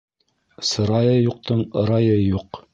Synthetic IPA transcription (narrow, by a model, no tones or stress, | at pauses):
sɤ̆ɾɑjɤjuq̚t̪ʰɤɴɤ̆ɾɑjɤjuq